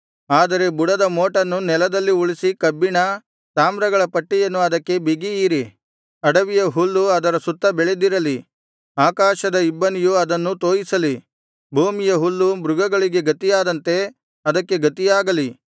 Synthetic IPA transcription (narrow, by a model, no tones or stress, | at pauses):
aːd̪ɐɾe̞buɽɐd̪ɐmoːʈɐnːunɛlɐd̪ɐlːiuɭisikɐbːiɳɐ | t̪aːmɾɐɡɐɭɐpɐʈːijɐnːuɐd̪ɐkːe̞biɡijiːɾi | ɐɽɐʋijɐɦulːuɐd̪ɐɾɐsut̪ːɐbɛɭed̪iɾɐli | aːkaːʃɐd̪ɐibːɐnijuɐd̪ɐnːut̪oːjisɐli | bʱuːmijɐɦulːubɾuɡɐɡɐɭiɡe̞ɡɐt̪ijaːd̪ɐnt̪e̞ | ɐd̪ɐkːe̞ɡɐt̪ijaːɡɐli